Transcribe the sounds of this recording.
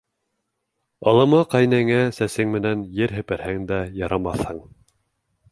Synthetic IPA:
ɑlˠɤ̆mɤqɑjnæŋæsæsɘŋmɘ̆nænjɘɾɦɘ̆pæɾhæŋd̪æjɑɾʔɑmɑθhɤɴ

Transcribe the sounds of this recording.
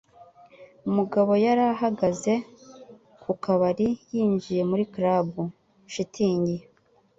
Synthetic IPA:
umuɡaβo̞jaɾaɦaɡaze̞ | kʰukaβaɾijiːɲd͡ʒije̞muɾikɾabu | ʃitʰiːɲɟi

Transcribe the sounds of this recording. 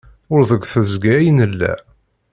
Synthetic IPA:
ʊɾðəɡʷθəzɡæjənəlːæ̰

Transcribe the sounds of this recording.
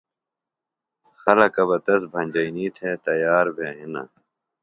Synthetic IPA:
xɐlɐkɐbɐt̪ɐs̬bʱɐ̃nʲd͡ʑɐiniːt̪ʰeːt̪ɐjaːɾbʱeɦinɐ̰

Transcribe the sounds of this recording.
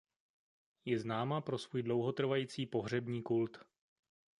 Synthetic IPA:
jɛznaːmapɾo̞svuːjdlo̞wɦo̞t̪r̩vajiːt͡siːpo̞ɦr̝ɛbɲiːkult̪

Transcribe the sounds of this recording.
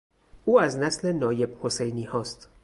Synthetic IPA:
ʔuːæznæsle̞nɒːje̞bho̞sejniːhɒːst̪

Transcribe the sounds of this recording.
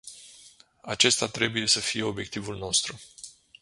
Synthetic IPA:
at͡ʃe̞st̪at̪ɾe̞buje̞səfije̞o̞bje̞k̚t̪ivulno̞st̪ɾu

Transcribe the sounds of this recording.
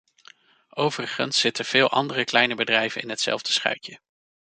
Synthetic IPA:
owvərəχə̰nsːɪtəv̥ɪːlˠʔɑ̰ndərəklɛjnəbədrɛjvənɪ̰nɦətsɛ̰lˠvdəsχœ̰ɥkjə

